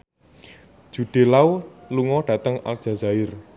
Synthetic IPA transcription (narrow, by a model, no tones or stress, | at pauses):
d̥ʒ̥ṳɖ̥e̤lauluŋɔɖ̥ä̤t̪əŋa̰ld̥ʒ̥a̤zaɪr